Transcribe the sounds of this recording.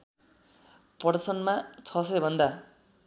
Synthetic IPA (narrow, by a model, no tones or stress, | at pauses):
pʌrt͡sʰʌnmat͡sʰʌsʌjbʱʌnd̪a